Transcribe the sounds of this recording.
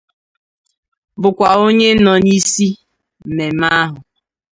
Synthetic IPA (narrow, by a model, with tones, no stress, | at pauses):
bʊ˨kʷa˨o˦ɲe˦n̩˦nɔ˨ni˦si˦ | m̩˨me˨m̩˦a˦ɦʊ˨